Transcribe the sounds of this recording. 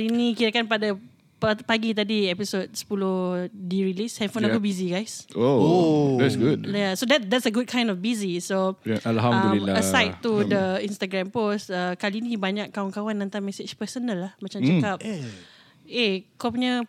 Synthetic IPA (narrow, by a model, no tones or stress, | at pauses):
kalinĩkit̪akanpada | ppaɡit̪adiɛpisot̚sə̥pulohdiɹilisɛ̃nfõnakubiziɡajsoodɛtsɡud̚jasodɛt̚dɛtsəɡud̚kʰãj̃ndɔfbizisoʔalɦamdãũliaəsajtːudəĩnst̪aɡɹɛ̃mpostəkalinĩbaɲakːawankawanːənt̪aŋmɛsɪt͡ʃpəsənalːahmãt͡ʃamt͡ʃakap̚ | ekapuɲə